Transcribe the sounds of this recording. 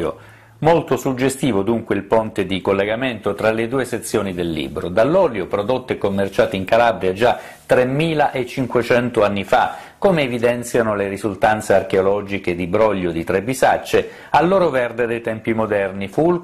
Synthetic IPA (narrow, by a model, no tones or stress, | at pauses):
o̰ | molt̪osud͡ʒːest̪iːvod̪uŋkweilpont̪ed̪ikolːeɡament̪ot̪ɾaled̪uːeset̪sːjoːnid̪elːḭbɾod̪alːɔːljopɾod̪ot̪ːekomːert͡ʃaːt̪iiŋkalabɾjad͡ʒa | t̪ɾemːiːlaʔet͡ʃiŋkwet͡ʃɛnt̪oanːifa | komeːvid̪ɛnt̪sjanoleɾizult̪ant̪searkeolɔd͡ʒiked̪ibɾɔʎːod̪it̪ɾebizat͡ʃːe | alːoːɾovɛrd̪ed̪ejt̪ɛmpimod̪ɛrniful